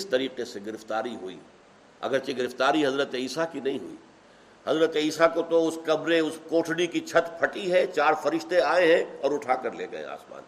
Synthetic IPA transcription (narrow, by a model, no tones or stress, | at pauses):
ɪst̪ɐɾiːqeseɡɪɾɪft̪aːɾiɦuḭː | ɐ̰ɡəɾt͡ʃeɡɪɾɪft̪aːɾiɦɐzɾət̪iːsakinɐɦĩɦʊ̰ḭː | hɐzɾət̪iːsakot̪oʊskɐbɾeʊskoːʈʰɽikit͡ʃʰɐt̪pʰɐʈiɦɛt͡ʃaːɾfɐɾɪʃt̪eaːeɦɛ̃ɔːɾʊʈʰaːkəɾlḛːɡɐ̰ḛ̃a̰ːsma̰ːn